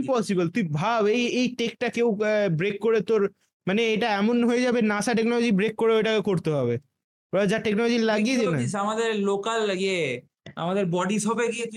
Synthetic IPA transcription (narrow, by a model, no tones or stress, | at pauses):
pɔsibəlt̪uibʱabejejʈek̚ʈakewbɾekːoɾet̪oɾ | maneeʈaɛmonɦojed͡ʑabenaʃaʈ̬eknɔlod͡ʑibɾekːoɾeoejʈakekoɾt̪eɦɔbe | od͡ʑaʈeknɔlod͡ʑilaɡied̪naisamad̪eɾlokalje | a̰mad̪eɾbɔɖisɔbeɡie